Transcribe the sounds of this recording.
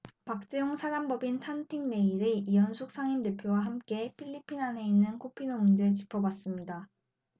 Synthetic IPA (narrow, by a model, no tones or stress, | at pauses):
pak̚t͡ɕ͈ejoŋsʰaɾambʌbintʰantʰiŋne̞iɾɯijʌnsʰuk̚s͈aŋimde̞pʰjowaɦamk͈e̞pʰiʎːipʰinane̞inːɯnkʰopʰinomund͡ʑe̞t͡ɕipʰʌbas͈ɯmɲida